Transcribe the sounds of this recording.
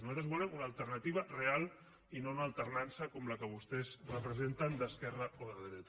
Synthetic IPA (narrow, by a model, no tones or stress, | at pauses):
nuzat̪ɾəzβulɛmunaːlˠt̪əɾnɐt̪iβ̞ɐrealˠ | inounaːlˠt̪əɾnansəkɔmləkəβ̞ust̪ɛzrəpɾəzent̪ənd̪əskɛrəoðəðɾɛt̪